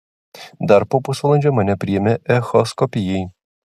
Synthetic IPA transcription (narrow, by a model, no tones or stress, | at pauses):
d̪ɐɾpoːpʊsʋɐlˠɐnʲd͡ʒʲomɐnʲɛpʲɾʲɪjɛmʲɛʔɛxɔskɔpʲɪjɛɪ